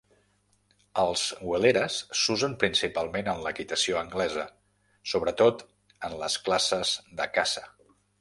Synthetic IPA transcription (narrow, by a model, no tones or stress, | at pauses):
əlˠz̥wəleɾəsːuzəmpɾinsipalˠmenənləkit̪əsioəŋɡlɛzə | soβ̞ɾət̪ot̪ | ənləsklasəzðəkasə